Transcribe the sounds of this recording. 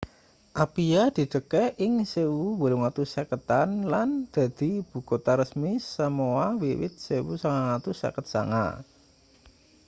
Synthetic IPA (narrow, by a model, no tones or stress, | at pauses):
ʔapijad̪̥i̤d̪əkɛʔɪŋsewuwəluŋat̪usakət̪anland̪̥a̤d̪̥i̤b̥ṳkot̪aɾəsmisəmoawiwɪ̰t̪̚sewusaŋaŋat̪usa̰kət̪̚sa̰ŋa̰